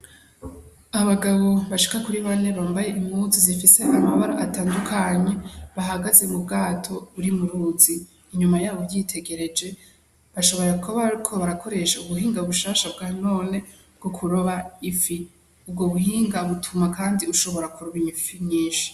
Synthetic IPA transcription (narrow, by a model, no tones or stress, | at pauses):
aβaɡaβo̞βaʃi̥kakuɾiβane̞βaːmbaje̞ʔimhuzizifise̞ʔamaβaɾoʔataːndukʰaɲe̞βaɦaɡaze̞mub̚ɡaːtʰo̞βuɾimuɾuziː | ɲumajaːβovɟitʰe̞ɡe̞ɾe̞d͡ʒe̞ | βaʃo̞βo̞ɾakʰaβaɾikʰo̞βaɾako̞ɾe̞ʃauβuɦiːŋɡaβuʃaːʃabɡaːno̞ːne̞ | bɡ̥o̞kʰuɾoβaifi | ub̚ɡoβuhiːŋɡaβutʰumakaːndiuʃo̞βo̞ɾakuɾuβiiɱfiɲiːnʃi̥